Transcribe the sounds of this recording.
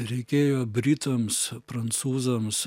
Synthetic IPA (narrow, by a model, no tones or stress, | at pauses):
ɾʲɛɪkʲeːjoːbʲɾʲɪt̪ɐmspɾɐnt̪suːzɐms